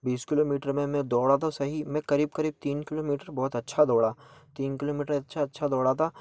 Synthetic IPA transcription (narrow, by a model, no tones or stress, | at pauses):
biːskɪloːmiːʈəɾmẽmɛ̃d̪ɔːɽat̪ʰosɐɦimɛ̃kɐɾiːb̚kɐɾiːb̚t̪iːnkɪloːmiːʈəɾbɔːt̪ɐtːʃʰad̪ɔːɽaːt̪iːnkɪloːmiːʈəɾɐtːʃʰaɐtːʃʰad̪ɔːɽat̪ʰaː